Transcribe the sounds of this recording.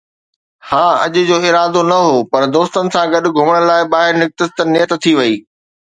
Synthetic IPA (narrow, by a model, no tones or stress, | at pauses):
hãːɐ̰ʄʊ̆d͡ʑoːɪɾaːd̪onɐɦoːpɐɾd̪oːst̪ənɪ̆sãɡɐɗʊ̆ɡʱʊməɽ̃laːɪɓaːɦɪɾnɪk̚t̪ɪst̪ənɪjət̪t̪ʰːiʋɐiː